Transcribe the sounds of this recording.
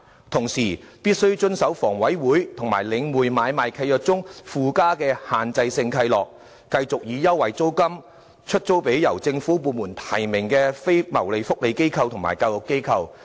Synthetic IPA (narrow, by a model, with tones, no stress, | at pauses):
t̪ʰʊ˨˩ŋsiː˨˩piː˥t̚sɵ˥ɥt͡ʃɵ˥nsɐ˨˥wfɔː˨˩ŋwɐ˨˥jwuː˨˥jt̪ʰʊ˨˩ŋma̰ː˨˩jlɪ˨˧ŋmuː˨˩jmaː˨˧jmaː˨jkʰɐ˧jlœː˨k̚t͡sʊ˥ŋfuː˨˧kaː˥kɛː˧haː˨nt͡sɐ˧jsɪ˧ŋkʰɐ˧jlɔː˨k̚ː | ɐ˧jt͡sʊ˨k̚jiː˨˧jɐ˥wːɐ˨˩jt͡so˥wkɐ˥m | t͡ʃʰɵ˥t̚t͡so˥wpe˨˥jjɐ˨˩wt͡sɪ˧ŋfuː˨˥puː˧nmuː˨˩nt̪ʰɐ˨˩jmɪ˨˩ŋkɛː˧fe˥jmɐ˨˩wle˨˧jfʊ˥k̚le˨˧jke˥jkʰɐ˧wt̪ʰʊ˨˩ŋma̰ː˨˩jkaː˧wjʊ˨kːe˥jkʰɐ˧w